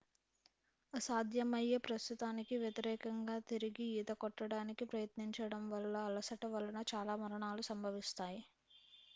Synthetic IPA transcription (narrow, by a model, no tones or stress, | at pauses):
ɐsaːd̪ʱjɐmɐjepɾɐst̪ut̪aːnikiʋjɐt̪iɾɛːkɐŋɡaːt̪iɾiɡiiːd̪ɐkɔʈːɐɽaːnikipɾɐjɐt̪niɲt͡ʃɐɽɐmʋɐlːɐːlɐsɐʈɐʋɐlɐnɐt͡ʃaːlaːmɐɾɐɳaːlusɐmbʱɐʋist̪aːji